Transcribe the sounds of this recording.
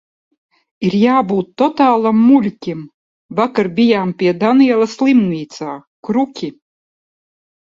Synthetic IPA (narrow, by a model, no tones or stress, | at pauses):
iɾjaːbuːt̪ːɔt̪aːlˠamːulʲkʲim | vakaɾbʲijaːmpʲiɛd̪aniɛlˠaslˠimnʲiːt̪saː | kɾukʲʰi